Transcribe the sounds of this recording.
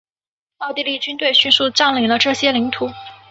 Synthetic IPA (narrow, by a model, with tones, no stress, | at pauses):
mɑ˥˧ʊt̪i˥˧li˥˩t͡ɕy˥nt̪we˥˧ɪɕy˥˧nsu˥˧ʈ͡ʂɑ˥˩ŋli˨˧˥ŋlə˧ʈ͡ʂɤ˥˩ɕjɛ˥li˧˥ŋt̪ʰu˨˩˥